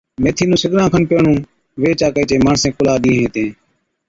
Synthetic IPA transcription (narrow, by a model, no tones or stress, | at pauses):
meːt̪ʰiːnũːsɪɠɾãːkʰənpeːɳũː | ʋeːt͡ʃaːkəiːt͡ʃeːmaːɳsẽːkʊlaːɗĩːɦẽːt̪ẽː